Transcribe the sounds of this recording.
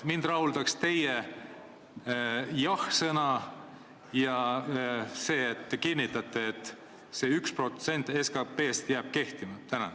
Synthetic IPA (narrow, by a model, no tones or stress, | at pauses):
mind̪̥rɑhuld̪̥ɑkst̪e̞je | jɑhsɤnɑ | jɑ | se̞ːt̪ːekinʲːit̪ːˑɑt̪ːˑeet̪ːˑ | se̞ykspro̞t̪se̞nʲt̪ːˑeskɑpːe̞ːst̪jæːb̥̚ke̞ht̪imɑt̪ænɑ̰